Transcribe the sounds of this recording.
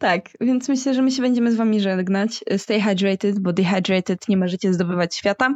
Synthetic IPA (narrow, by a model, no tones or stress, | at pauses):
t̪akvʲjɛnt̪smɘɕlɛʐɛmɘɕ̬ɛbɛɲd͡ʑɛmɘzvamʲiʐɛɡnat͡ɕst̪ɛjɦajdɾɛjt̪ɛt̪bɔd̪ixajd̪ɾɛjt̪ɛt̪ɲɛmɔʐɛt͡ɕɛzd̪ɔbɘvat͡ɕɕfʲjat̪a